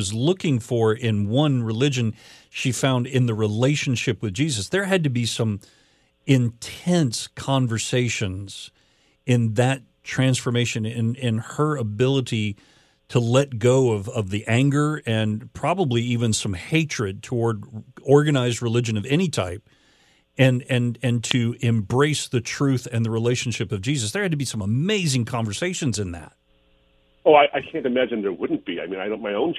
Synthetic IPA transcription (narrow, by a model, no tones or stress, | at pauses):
ʌzlʊkɪ̃ŋfə˞ɪ̃nwʌ̃nɹɨlɪd͡ʒɨ̃nʃifãʊ̃ndɪ̃nðɨɹileɪʃɨ̃n̩ʃɪpwɨðd͡ʒizɨsðə˞ɨd̚tɨbisʌ̃m | ɪ̃ntʰɛ̃nskʰɑ̃ɱvə˞seɪʃɨ̃nz̥ | ɪ̃nðɨt | tʰɹ̥æ̃nsfə˞meɪʃɨ̃nɨ̃nɪ̃nə˞əbɪlˠəɾi | ɾʰəlɛt̚ɡ̥oʊʌvʌvðiʔæ̃ŋɡə˞ɨ̃npʰɹ̥ɑbəbliivɨ̃nsʌ̃mheɪt͡ʃɹ̥ɨd̚tʰəwɔɹd̚ɔɹɡɨnaɪzd̚ɹɨlɪd͡ʒɨ̃nʌvɛñitʰaɪp̚ | ɨ̃nɨ̃nɨ̃ntʰɨɪ̃mbɹeɪsðɨtʰɹ̥ʉθɨ̃nðɨɹileɪʃn̩ʃɪpʌvd͡ʒizɨsðə˞ɨd̚tʰɨbisʌ̃məmeɪzɪ̃ŋkʰɑ̃ɱvə˞seɪʃɨ̃nzɨ̃nðæ̰t̚ | oʊaɪʔaɪkʰæ̃ntɨmæd͡ʒɨ̃nðə˞wʊdⁿn̩̚b̥ia̰ɪmĩnaɪɾ̃ʊ̃nmaɪõʊ̃n